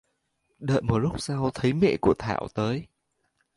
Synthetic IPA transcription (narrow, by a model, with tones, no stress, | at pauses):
ɗə̰ː˧˨jmo˨˩t̚lʊ˦˥k͡p̚sa˧wt̪ʰə˨˦jmɛ̰˧˨ku˧˩ət̪ʰa̰ː˧˩wt̪əː˨˦j